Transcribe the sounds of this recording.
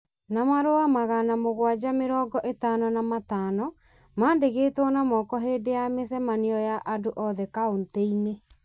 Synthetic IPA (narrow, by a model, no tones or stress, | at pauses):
namaɾoamaɣanamoɣwad͡ʑameɾɔːɡɔʔetanɔnamataːnɔ | maːndeɣeːtɔnamɔːkɔɦeːdejamesɛmaneɔjaʔadoʔɔðɛkaonteine